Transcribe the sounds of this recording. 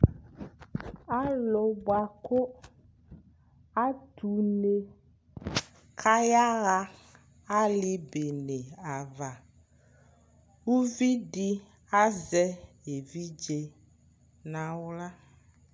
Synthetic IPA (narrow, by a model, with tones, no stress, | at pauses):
a˦lɔ˨ba˨ko˦ | a˦t̪u˨ne˨ | kʰa˦ja˦ɣa˦ | a˦li˨be˨nẽ˨a˨va˨ | wu˦vi˦ɖi˦ | a˦zɛ˦e˨vi˦d͡ʒe˦ | nã˦wo˦la˦